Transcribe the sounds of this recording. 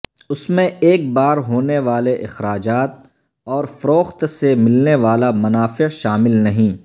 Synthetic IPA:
ʊsmẽeːk̚baːɾɦoːneʋaːleʔɪxɾaːd͡ʒaːt̪̚ | ɔːɾfɐɾoːxt̪semɪlneʋaːlamɐnaːfɪʃaːmɪlnɐɦĩː

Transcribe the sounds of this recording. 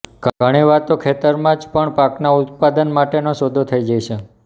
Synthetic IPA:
ɡəɽ̃eʋat̪okʰet̪əɾmãd͡ʒpəɳpaknaʊt̪̚pad̪ənmaʈenoʃod̪ʱot̪ʰəid͡ʒajt͡ʃʰe

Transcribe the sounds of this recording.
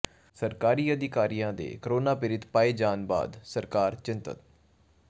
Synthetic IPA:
səɾkaːɾiːəd̪ɪkaːɾijãːd̪ḛːkəɾoːnaːpɪɾɪt̪paːeːd͡ʒaːnba̰ːd̪səɾkaːɾt͡ʃɪ̃nt̪ə̰t̪̚

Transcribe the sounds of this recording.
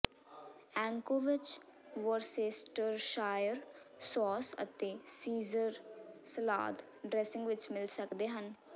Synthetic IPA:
ɛ̃ːŋkoʋɪt͡ʃʋɔɾseːsʈəɾʃaːjəɾsɔːsə̰t̪eːsiːzəɾsəla̰ːd̪ | ɖɾɛːsɪ̃ŋɡʋɪt͡ʃmɪlsəkd̪eːɦən

